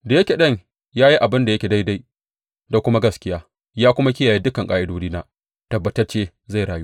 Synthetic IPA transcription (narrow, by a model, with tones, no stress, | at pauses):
da˨jɐ˦kʲe˨ɗɐ˦˨ɲ | jaː˦ji˦ʔa˨bɪ˦nda˨jɐ˦kʲe˨da˦jda˦j | da˨kʷʊ˦ma˦ɡɐ˦skʲɪ˦jaː˦ | jaː˦kʷʊ˦ma˦kʲɪ˦jaː˨jeː˦dʊ˦kɐ˨ŋkʼaː˨ʔɪ˦doː˦diː˦naː˦ | tɐ˨bːɐ˨tɐ˦rt͡ʃeː˦ | za˦˨jɽaː˨ju˦